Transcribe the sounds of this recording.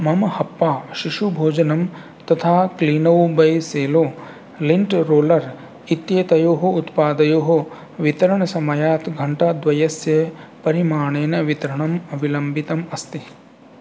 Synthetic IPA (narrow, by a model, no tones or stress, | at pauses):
mɐmɐhɐpːaːʃiʃubʱoːd͡ʒɐnɐm | t̪ɐt̪ʰaːkliːnɐwbɐjseːloː | liɳʈɾoːlɐɾ | it̪jɐt̪ɐjoːɦɐut̪paːd̪ɐjoːɦo | ʋit̪ɐɾɐɳɐsɐmɐjaːt̪ɡʱɐɳʈad̪ʋɐjɐsjɐpɐɾimaːɳeːnɐʋit̪ɐɾɐɳɐmɐʋilɐmbit̪ɐmɐst̪i